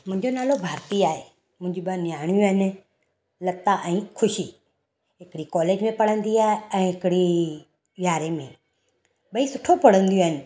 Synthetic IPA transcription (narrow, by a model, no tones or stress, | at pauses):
mʊ̃ɦɪ̃ɲd͡ʑonaːlobʱaːɾt̪iaːɦe | mʊ̃ɦɪ̃d͡ʑuɓanɪjaːɳ̃jũɦɪnɪ̆ | lɐt̪aʔɛ̃ːkʰʊʃiː | ɦɪkɽikɔːleːd͡ʒmẽpɐɽə̃nd̪iaːɦeɛ̃ːɦɪkɪɽi | ʋjaːɾemẽ | ɓɐisʊʈʰopɐɽə̃nd̪ijõːɦɪnɪ̆